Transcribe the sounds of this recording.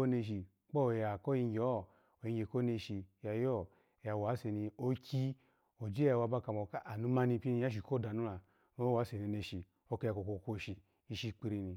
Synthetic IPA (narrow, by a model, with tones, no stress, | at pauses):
o˦ne˧ʃ̬i˨ | k͡po˦˨ja˨ko˦i˧ŋ˦ɡɔ˦˨ | o˨ji˧ŋ˦e˨ko˦ne˧ʃi˧˨ja˨jo˦˨ | ja˨wa˨˦se˧ni˧o˦kʰʲi˦ | o˨d͡ʒe˦a˧˨wa˧˨ba˦˧ka˧˨mo˨ka˦ʔa˨nu˨˦ma˦˧ni˧˨pi˦ni˧ja˦ʃ̬i˨ko˦˨da˨nu˦la˨ | no˦wa˨˦se˨ne˧˨ne˧ʃi˨ | o˧ke˧ja˧˨ko˨ko˧˨ko˦˨ʃi˨ | i˧ʃi˧k͡pi˧ɾi˧ni˧